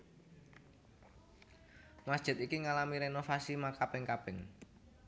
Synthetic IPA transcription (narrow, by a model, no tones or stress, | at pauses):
masd̥ʒ̥ɪ̤t̪ikiŋalamiɾenofasimakapɪŋkab̥ɪŋ